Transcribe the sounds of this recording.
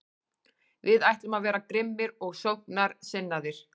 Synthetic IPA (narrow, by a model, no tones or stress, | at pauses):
vɪðajht̪ʏmaðvɛːɾakɾɪmːɪɾɔɣsowhknaɾsɪnːaðɪɾ̥